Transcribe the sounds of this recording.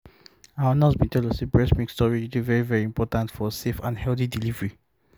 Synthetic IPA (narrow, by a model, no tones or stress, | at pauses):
ãanɔsbĩntʰɛldɔsebɹɛsmĩkstɔɹiidivɛɹivɛɹiĩmpʰɔtãntfɔsefãndhɛlθidilivɹi